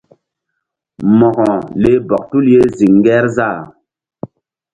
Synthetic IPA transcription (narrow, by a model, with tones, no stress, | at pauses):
mɔ˨ɣɔ̃˨le˦bɔ˨k̚tu˦lje˦zi˨ŋ˦ɡɛ˦ɾza˦˨